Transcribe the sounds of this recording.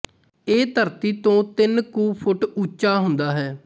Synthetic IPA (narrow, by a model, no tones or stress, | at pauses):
eːt̪əɾt̪iːt̪õːt̪ɪnkuːpʰʊʈut͡ʃaːɦʊnd̪aːɦɛː